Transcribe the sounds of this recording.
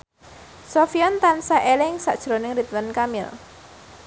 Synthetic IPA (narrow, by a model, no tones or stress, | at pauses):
sɔfijɔnt̪ansaʔelɪŋsa̰ʔd̥ʒ̥ɾonɪŋrit̪wənkamɪ̰l